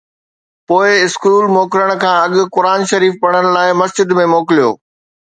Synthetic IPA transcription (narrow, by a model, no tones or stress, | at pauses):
poːɪɪskuːlmoːkɪɾəɽ̃̆kʰãːɐɠʊ̆kʊɾaːnʃɐɾiːfpɐɽ̤̃əɽ̃laːɪmɐsd͡ʑɪd̪mẽmoːkɪlijo̰ː